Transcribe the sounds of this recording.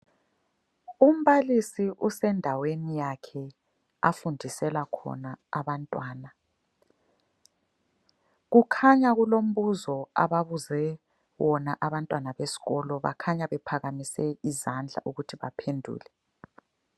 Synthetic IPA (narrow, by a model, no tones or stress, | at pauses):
um̩βalisiʔusɛndʱawenijakʰɛ | a̰fundʱisɛlakʰɔ̰naːβantʼwaːna | ɣukʰaɲaɣulom̩βuzɔa̰βaβuzɛ | wɔnaʔaβantʼwanaβesi̥ɣɔlɔβa̰kʰaɲaβɛpʰaɣamisɛizand͡ɮʱa̰ʔuɣutʰiβa̰pʰendʱṵːlɛ